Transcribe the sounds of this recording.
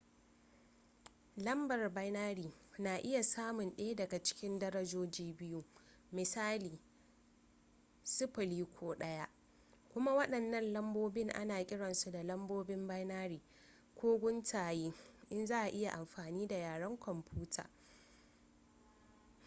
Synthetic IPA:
lɐ˦mbɐ˨rba˦jnaː˦ɽiː˨naː˨ʔɪ˦ja˨saː˦mʊ˨nɗe˦dɐ˨ɡa˨t͡ʃɪ̥˦kʲɪ˦ndɐ˦ɾɐ˦d͡ʒoː˦d͡ʒiː˦bɪ˦ju˦ | mɪ˨saː˦liː˨ | sʊ˦ɸɪ˨liː˦kʷʰoː˦ɗɐ˦ja˦ʔ | kʷʊ˦ma˦wɐ˦ɗɐ˨nːɐ˦nlɐ˦mboː˦bɪ˦ŋʔa̰˦naː˨kʲʼɪ˦ɽɐ˨nsu˨da˨lɐ˦mboː˦bɪ˦mba˦jnaː˦ɾiː˨ | kʷʰoː˦ɡʷʊ˦ntʰaː˨jeː˦ʔɪ˦nzaː˦ʔa˨ʔɪ˦ja˨ʔa˨mɸaː˨niː˦da˨jaː˨ɽɐ˦ŋkʷɔ˨mpʰuː˦tʰa̰ː˨

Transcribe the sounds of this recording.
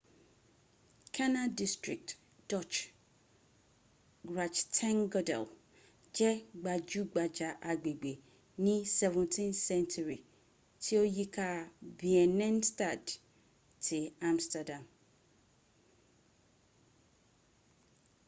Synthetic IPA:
kʰa˦na˦di˦stɹɪ˨k̚t | d̥ɔ˦t͡ʃ | ɡɹa˨t͡ʃtʰɛ̃˦nɡɔ˦dɛ̰˨l | d͡ʒɛ˦ɡ͡ba˨d͡ʒu˦ɡ͡ba˨d͡ʒa˨ʔa˨ɡ͡be˨ɡ͡be˨ | nĩ˦sɛ˨vɛ̃˨ntʰĩ˦nsɛ̃˦ntʰu˨ɹi˨ | tʰɪ˦o˦ji˦kʰa˦bi˨ɛ˨nɛ̃˦nsta˨d | tʰɪ˨ã˦mstɛ˨dã˨m

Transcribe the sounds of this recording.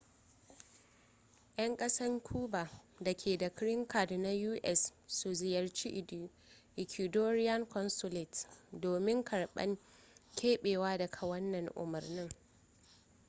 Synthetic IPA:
j̰ɐ˦ŋkʼɐ˦sɐ˦ŋkʰuː˦ba˨da˨kʲʰeː˨da˨kɾɪ˦ŋkʰa˨dna˦juː˦ʔɛ˦˨sːu˨zɪ˨jɐ˨rt͡ʃi˦ʔ | ʔɪ˨kʲʷi˨doː˦ɾɪ˦jɐ˦ŋkɔ˦nsʊ˦lɪ˨tdoː˨mɪ˦ŋkʰɐ˨ɽɓɐ̰˦ŋ | kʲʰeː˦ɓeː˨waː˦dɐ˨kʰa˨wɐ˦nːɐ˨ŋʔʊ̰˨mɐ˨rnɪ˦ŋ

